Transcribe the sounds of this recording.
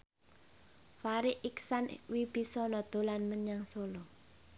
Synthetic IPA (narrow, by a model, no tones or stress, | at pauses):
faɾɪʔiksanwib̥isɔnɔd̪̥o̤lanməɲaŋsolɔ